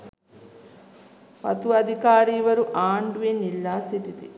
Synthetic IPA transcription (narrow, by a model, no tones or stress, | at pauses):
pɐ̰t̪uɐd̪ʱikaːɾiːʋɐɾuʔaːɳɖuenilːaːsiʈit̪i